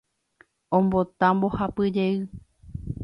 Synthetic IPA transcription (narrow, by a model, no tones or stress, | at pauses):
õmbot̪ãmbo̞hapɨd͡ʒe̞ɨ